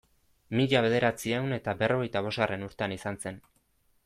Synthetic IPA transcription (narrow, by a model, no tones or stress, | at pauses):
miʎaβe̞ð̞e̞ɾat͡siewne̞t̪abe̞ro̞ɣ̞e̞jt̪aβ̞o̞zɣare̞nuɾt̪eanisanse̞n